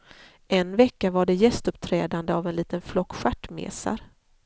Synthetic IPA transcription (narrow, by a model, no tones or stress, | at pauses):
ʔɛnvɛkːavaɖɛjɛst̪ɵpt̪ʰɾɛːd̪and̪əavɛnliːt̪ənflɔkːɧaʈːmḛːsa̰ɾ